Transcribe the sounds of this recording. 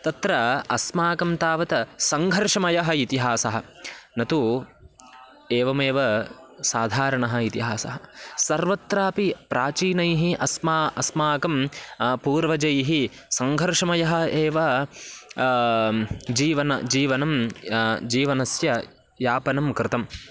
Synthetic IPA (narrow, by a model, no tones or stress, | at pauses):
t̪ɐt̪ɾɐɐsmaːkɐmt̪aːʋɐt̪ɐsɐŋɡʱɐɾʂɐmɐjɐɦɐit̪iɦaːsɐɦɐ̆nɐt̪u | eːʋɐmeːʋɐ | saːd̪ʱaːɾɐɳɐɦɐ̆it̪iɦaːsɐ̰ɦɐsɐɾʋɐt̪ɾaːpipɾaːt͡ʃiːnɐjɦiʔɐsmaːɐsmaːkɐmpuːɾʋɐd͡ʒɐjɦi | sɐŋɡʱɐɾʂɐmɐjɐɦɐ̆eːʋɐ | d͡ʒiːʋɐnɐ̰d͡ʒiːʋɐnɐm | d͡ʒiːʋɐnɐsjɐ | jaːpɐnɐmkɾɪt̪ɐm